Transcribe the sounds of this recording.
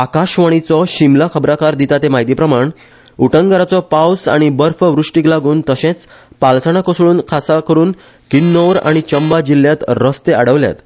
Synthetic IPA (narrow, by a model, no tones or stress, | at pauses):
akaɕʋəɽ̃it͡sɔɕimlakʰəbɾakaɾd̪it̪at̪emaɦit̪ipɾəmaɳ | uʈəŋɡəɾat͡sɔpawsa̰ɽ̃ibəɾfʋɾuʂʈiklaɡuːnt̪əɕẽt͡s | palsaɽ̃akosɭuːnkʰasakəɾuːn | kinːoʋɾa̰ɽ̃it͡ɕəmbad͡ʑilːjat̪ɾəst̪eaɽəʋlja̰t̪